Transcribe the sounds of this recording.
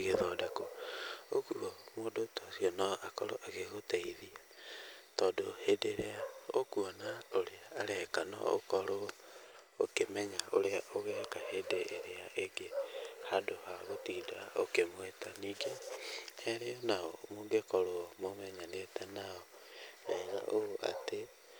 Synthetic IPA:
ɣeðɔdakookuɔmoːdotosiɔnaʔakɔ̰ɾo̰ʔaɣeɣotɛiðia | tɔdohedeɾeaokuɔnaoɾeaːɾɛkanɔ̰o̰kɔɾo | okemɛɲaʔoɾeaoɣɛːkahedeːɾeaʔeŋɡehadohaɣotiːdao̰kemwetaniːɡehɛɾeɔnaɔmoːŋɡekɔɾomomɛɲanetɛnaɔ | ɛɣa̰ʔoɣoʔa̰te

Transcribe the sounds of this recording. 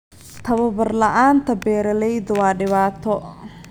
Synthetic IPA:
t̪ʰɐβɐbɐrlɐʔaːnt̪ʰɐbɛːɾɐlɛjd̪wɑːɖɪβaːt̪ʰɔ

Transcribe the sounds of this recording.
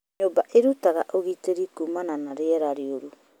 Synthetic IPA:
obaʔeɾutaɡaʔoɡiteɾikumananaɾeaɾaɾioɾu

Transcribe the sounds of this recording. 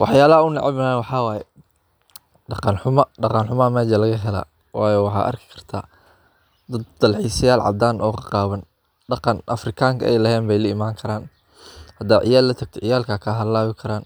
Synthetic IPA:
wɑ̰ħjaːlɐhɐʊnɪ̰ʕɪbɐnaːnwɑħɑːwaːjɛ | ɖɑqɑnħʊmɐɖɑqɑnħʊmɐmɛːd͡ʒɐlɐɣɐɦɛla̰ː | wʔɑːjɔːwɑħɑ̰ːʔɐ̰rkʰɪ̥kʰɐ̥r̥t̪ʰaː | d̪ɐd̪d̪̥ɐlħiːsɪjaːlʕɑ̰b̚d̪aːnʔɔːkʰɑqɑːβɐn | ɖɑqɑnʔɐfrɪkʰaːŋkʰɐʔɛ̰jlɐɦɛːnbɛjlɐɪmaːŋkʰɐɾaːn | hɐd̪aːʕɪ̰jaːlɐt̪ʰɐɡ̚t̪ʰɔʕɪjaːlkʰaːkʰaɦɐlaːβɪkʰɐɾaːn

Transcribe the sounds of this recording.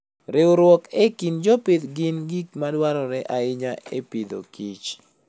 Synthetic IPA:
ɾɪoɾwɔkekind͡ʒoped̪ɡɪnɡik̚madwaɾɔɾɛʔaɪɲaepid̪o̰kit͡ʃ

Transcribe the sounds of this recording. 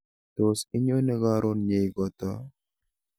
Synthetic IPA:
t̪oːsɪɲːonɛɡaːɾʔonjejɡɔt̪ːa

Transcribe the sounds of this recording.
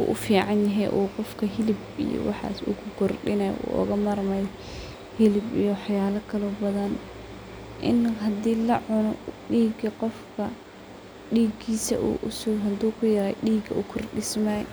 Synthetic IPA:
ṵːʔʊfiːʕɑnjɐɦɛjʔuːqɔfkʰɐɦɪlɪbḭjɔ̰wɑ̰ħɑ̰ːsṵkʰʊkʰɔrɖɪnɐj̰ʔṵːʔɔ̰ɣɐmɐrmɐj | hɪlɪbḭjɔwħjaːlɐkʰɐlɔbɐðɐn | ʔɪ̰nɦɐd̪iːlɐʕʊnɔɖiːɡɐqɔfkʰɐ | ɖiːɡiːsɐ̰ʔṵːʔʊsʊɦɐd̪uːkʰʊjɐɾɐjɖiːɡɐʊkʰɔrɖɪsmaj

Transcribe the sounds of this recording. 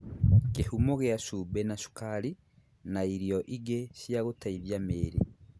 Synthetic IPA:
kehumoɣeaʃubenaʃu̥kali | naiɾijoʔiɡeʃiaɣotaiβjameːɾi

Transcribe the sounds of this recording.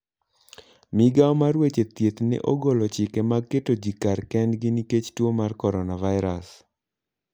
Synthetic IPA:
mɪɡaɔmarwet͡ʃet̪jet̪nɛ̰ʔoɡɔlɔt͡ʃɪkɛmakːetod͡ʒikarkɛndɡiniket͡ʃtwomarkɔɾɔnavaɪɾa̰s

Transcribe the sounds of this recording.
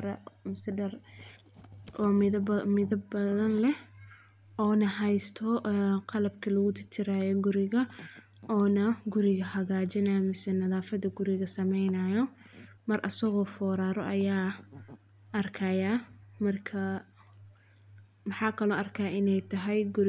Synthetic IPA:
ɾɛmɪsɛɖɐr | ʔɔːmɪðmɪðɐbbɐðɐnlɛh | ɔːnɐɦɛjst̪ʰɔʔqɑlɐb̚kʰɐlɐɣʊt̪ʰɪrt̪ʰɪɾaːjɔɡʊɾɪɣɐ | ʔɔːnɐɡʊɾɪɣɐhɐɣaːt͡ʃɐnamɪsɛnɐðaːfɐðɐɡʊɾɪɣɐsɐmɛjnɐjɔ | mɐrʔɐsɐɣɔːfɔːɾaːɾɔʔɐjaː | ʔɐrkʰɐjamɐrkʰɐ | mɑħɑːkʰɐlɔːʔɐrkʰaːɪnɛjt̪ʰɐɦɛjɡʊɾ

